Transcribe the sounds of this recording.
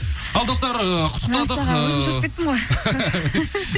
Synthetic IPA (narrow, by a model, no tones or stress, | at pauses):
ɑlˠd̪ost̪ɑɾəqʰʊ̥t̪ə̥q̪ɑd̪əʒɾ̚ket̪ːɪmʁoj